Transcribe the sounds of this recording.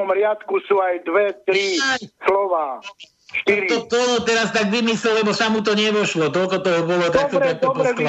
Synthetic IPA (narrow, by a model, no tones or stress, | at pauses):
mɾɪat̪kusuajd̪ʋɛt̪ɾislɔʋaː | ʃt̪iɾit̪ɔt̪ɔɦɔt̪ɛɾast̪aɡʋimislɛllɛbɔsamut̪̬ɔɲɛʋɔʃlɔt̪̬ɔlkɔt̪ɔɦɔbɔlɔt̪ak̚t̪ɔɾak̚t̪ɔsk